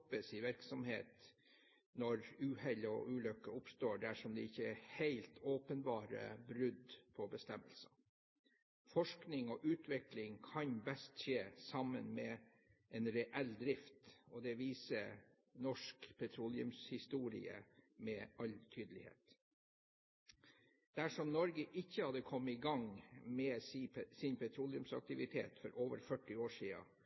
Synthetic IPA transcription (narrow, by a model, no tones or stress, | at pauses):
pəsɪʋɪɾksɔmhḛːt̪ | nɔɾʉːhɛlɔ̰ʔʉːlœkːəʊpst̪oːɖæʂɔmd̪ɛɪçːəæhæɪlt̪ʰoːpənbɑːɾə̰bɾʉd̪pʰɔbəst̪ɛmːəlsə | fɔʂknɪŋɔʔʉːt̪ʰʋɪklɪŋkʰɑɲbɛst̪ʃeːsɑmənmɛ | ʔɛnɾɛʔɛld̪ɾɪft̪ɔd̪ɛʋiːsə | nɔʂkpʰɛt̪ʰɾuːlɪʉmshɪst̪uːɾɪ̰ə̰mɛːʔɑlt̪ʰyːd̪əlɪhḛːt̪ | d̪̥æʂɔmnɔɾɡəʔɪçːəhɑd̪əkʰɔmːəɪɡɑŋmɛsɪnpʰɛt̪ʰɾuːlɪʉmsɑ̰k̚t̪ɪʋɪt̪ʰḛːt̪fɔɾʔoːʋəɾfœʈːɪoːʂiːə̰